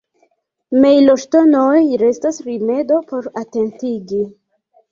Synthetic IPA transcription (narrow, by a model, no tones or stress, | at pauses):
mejloʃtonojɾe̞stasɾime̞do̞po̞ɾate̞ntiɡi